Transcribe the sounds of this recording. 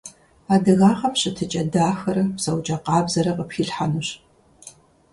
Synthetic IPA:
aːdɨɣaːʁɐmɕʼɪtʰɨt͡ʃʼɐdaːxɐɾɐpsɐwt͡ʃʼɐqɑːbzɐɾɐqəpxiːɬħanɨɕ

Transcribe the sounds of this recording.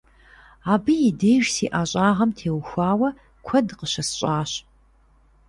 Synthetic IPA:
aːbɨjɪdeːʒsḭːʔaːɕʼaːʁɐmtʰeːwxʷaːwɐ | kʷʰɐdqəɕɐsɕʼaːɕ

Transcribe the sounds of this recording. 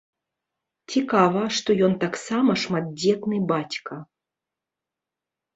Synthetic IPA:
t͡sʲikavɐʂt̪ɔjɔnt̪aksamɐʂmad̪̚d͡zʲɛt̪nɨjbat͡sʲkɐ

